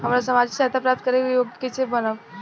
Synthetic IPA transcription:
ɦəmɾasəmad͡ʒsat̪apɾap̚t̪̚kəɾekejoɡket͡ʃebənəʋ

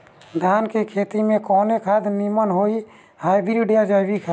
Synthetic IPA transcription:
d̪ʱaːnkekʰet̪imẽkɔːnekʰad̪nimənɦoi | hajbiɾiɖijad͡ʒajbikʰa

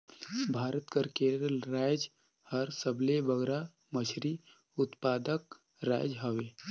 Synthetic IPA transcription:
bʱaːɾət̪kəɾkeːɾəlɾaːd͡ʒ | həɾsəblebəɡɾa | mət͡ʃʰɾi | ʊt̪paːd̪ək̚ | ɾa̰ːd͡ʒɦəʋeː

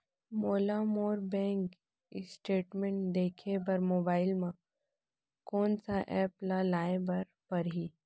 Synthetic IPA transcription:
moːlamoːɾbɛ̃ːŋk | ɪ̰sʈeːʈmẽɳʈd̪eːkʰebɐɾmoːbaːɪlmã | kɔːnsaʔɛːplalaːebɐɾ | pɐɾɦiː

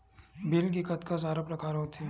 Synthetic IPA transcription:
bɪlk̬ikɐt̪kas̬aːɾapɾɐkʰaːɾɦõt̪ʰe

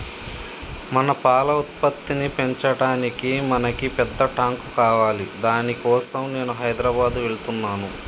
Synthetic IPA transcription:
mɐnɐpaːlɐut̪̚pɐt̪ːinipeɲt͡ʃɐɽaːnikimɐnɐkipɛd̪ːɐʈaːŋkukaːʋaːlid̪aːnikɔːsɐmne̞ːnuɦɐjd̪ɾɐbaːd̪uʋe̞ɭut̪unːaːnu

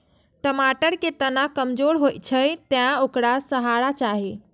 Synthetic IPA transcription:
ʈəmaʈəɾket̪ənakəmd͡ʒoɾɦojt̪̚t͡ʃʰəjt̪jãokɾasəɦaɾat͡ʃaɦe

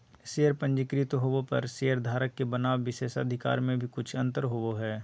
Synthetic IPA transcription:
sejəɾpə̃ɲd͡ʒɪkɾɪt̪ɦoʋopɐ̰ɾsejəɾd̪ʱaːɾəkːebɐnaːwːɪseːsə̰d̪ʱɪka̰ːɾmẽbʱikʊt͡ʃʰɐ̃nt̪əɾɦooɦɛː

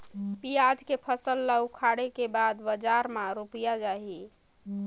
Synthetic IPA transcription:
pijad͡ʒkepʰəsəlːəwkʰaɽekebad̪bəd͡ʒaɾmãɾupijad͡ʒaɦi

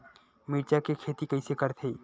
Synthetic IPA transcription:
miːɾt͡ʃakekʰeːt̪ikɐɪsekəɾt̪ʰe

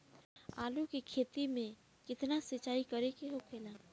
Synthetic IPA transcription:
a̰ːlukikʰeːt̪imẽ | kɪt̪nasɪt͡ʃaːikɐɾekeɦokʰeːlaː

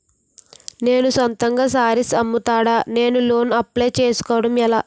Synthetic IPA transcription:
ne̞ːnusʋɐnt̪ɐŋɡaːs̬aːɾisɐmːut̪aːɽaːne̞ːnulo̞ːnɐpːleːt͡ʃe̞ːsu̥kɔːʋɐɽɐmɛlaː

